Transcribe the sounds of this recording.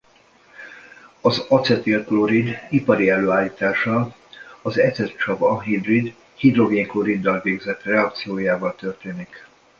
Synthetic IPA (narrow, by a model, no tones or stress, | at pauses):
ɒzɒt̪sɛt̪ilkloɾid̪ipɒɾiɛlːøːaːlːiːt̪aːʃɒ | ɒzɛt̪sɛt̪t͡ʃɒbɒnɦib̪rid̪ | hid̪ro̞ɡeːŋkloɾid̪ːɒlveːɡzɛt̪rɛɒk̚t̪sijoːjaːvɒlt̪ø̞rt̪eːnik